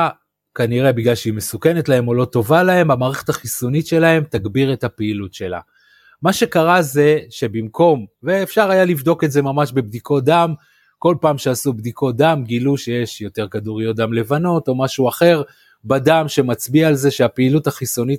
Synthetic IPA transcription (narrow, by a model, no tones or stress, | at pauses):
kaniʁe̞biɡlalʃeimesuke̞ne̞tlahe̞mo̞lo̞to̞valahe̞mamaːʁeχetaχiso̞nitʃe̞lahe̞mt̪aɡbiʁe̞thapeilutʃe̞la̰ | maʃe̞kaʁaze̞ʃe̞bimko̞mveːfʃaʁajalivd̪o̞ketze̞mamaʃbebdikʰo̞d̪am | ko̞lpaːmʃeasubdikʰo̞d̪amɡiluʃejeʃjo̞te̞ʁkaduʁjotd̪amle̞vano̞to̞maʃuaχe̞ʁ | badamʃe̞mat͡sbiaːlze̞ʃeapeːluthaχiso̞nit